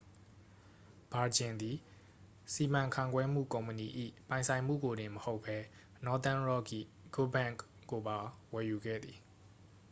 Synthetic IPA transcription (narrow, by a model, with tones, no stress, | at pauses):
b̥a˨d͡ʑɪ̃˨nd̪i˨ | si˨mã˨ŋkʰã˦˨ŋɡwɛ˦m̥ṵ˦˨kõ˨ʊ̃mpəni˨ʔḭ˦˨pã˨ɪ̃nsʰã˨ɪ̃m̥ṵ˦˨ɡo˨ɾɪ̃˨məho˦ʊpʰːɛ˦ | nɔ˦t̪ã˦nɹɔ˦ɡḭ˦˨ | ɡ̥o˦bã˦˨ŋk | ko˨ba˨wɛ˨ju˨ɡɛ̰˦˨d̪ði˨